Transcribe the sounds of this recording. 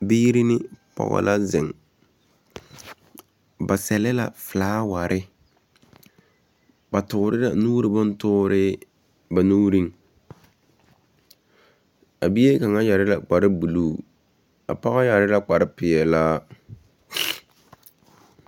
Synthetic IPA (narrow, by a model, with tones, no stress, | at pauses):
biː˦ɾi˦nɪ˦pɔ̰˨ɣɔ̰˨la˦zɪ˨ŋ | ba˨sɛ˨lɪ˦la̰˨flaː˦wa˨ɾʔɪ˦ | ba˨tʊ˨ɾɪ˦la˨nuː˦ɾɪ˦bʊ˦ntʊː˦ɾɪ˦ | ba˨nuː˦ɾi˦ŋ | a˨bi˦e˦ka˨ŋa˦ja˨ɾɪ˦la˨k͡pa˨ɾɪ˦bu˨luː˦˨ | a̰˨pa˦ɣa˦ja˨ɾɪ˦la˦k͡pa˨ɾɪ˦pɪ˨ɛ˨laː˦